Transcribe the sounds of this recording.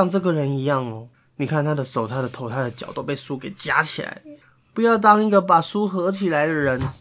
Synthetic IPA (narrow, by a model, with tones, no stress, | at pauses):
ŋʈ͡ʂɤ˥˩ɡə˩ɻə˧˦ni˧˥jɑ˥˩ŋɔ˨˩ | ni˨˩kʰa˥˩nt̪ʰa˥d̪ə˨ʂo˨˩ʊt̪ʰa˥d̪ə˨t̪ʰo˧˥ʊt̪ʰa˥˩d̪ə˩t͡ɕjɑ̰˨˩ʊt̪o˥ʊpe˥˩ɪsu˥ke˨˩ɪt͡ɕja̰˥t͡ɕʰi˨˩la̰˧˦ɪ | pu˧˥jɑ˥˩ʊt̪̬ɑ˥ŋi˧˥˩ɡə˨pa˨˩su˥xɤ˧˥t͡ɕʰi˨˩la˧˥ɪd̪ə˨ɻə˧˥n